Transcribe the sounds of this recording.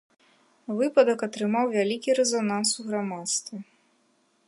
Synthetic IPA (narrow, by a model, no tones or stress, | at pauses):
vɨpɐd̪ɐkɐt̪ɾɨmawvʲalʲikʲiɾɛzanansuɣɾamat̪st̪vɨ